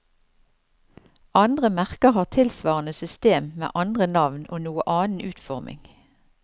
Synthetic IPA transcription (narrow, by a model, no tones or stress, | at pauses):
ʔɑnd̪ʁəmæʁkəhɑːʁt̪ʰɪlsʋɑːʁənəsʏst̪eːmmḛːʔɑnd̪ʁənɑʋno̰ːnuːəʔɑːnn̩ʉːt̪fɔʁmʔɪ̰ŋ